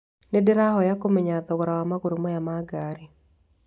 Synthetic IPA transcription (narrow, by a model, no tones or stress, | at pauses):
nɪdɪɾaɦɔjakomɪɲat̪ɔwoɾawamaɡoɾomɔjamaɡaɾɪ